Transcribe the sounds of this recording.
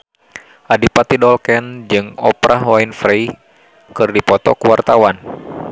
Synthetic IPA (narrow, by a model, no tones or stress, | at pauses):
ʔadipat̪idɔlkɛnd͡ʒɨŋɔpɾaɦwainfɾej | kɨrdipɔt̪ɔkuwart̪awan